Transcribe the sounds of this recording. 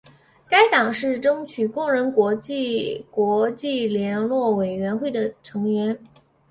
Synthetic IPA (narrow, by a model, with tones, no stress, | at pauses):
ka˥ɪt̪ɑ˨˩ŋʂɻ̩˥˩ʈ͡ʂɤ˥ŋt͡ɕʰy˨˩kʊ˥˩ŋɻə˧˥nkwɔ˧˥t͡ɕi˥˩kwɔ˧˥t͡ɕi˥˩ljɛ˧˥nlwɔ˥˩we˨˩ɪɥɛ˧˥nxwe˥˩ɪd̪ə˩ʈ͡ʂʰɤ˧˥ŋɥɛ˧˥n